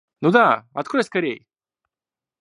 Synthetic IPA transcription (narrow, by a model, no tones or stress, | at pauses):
nud̪aɐ̰t̪kud̪əskɐɾʲej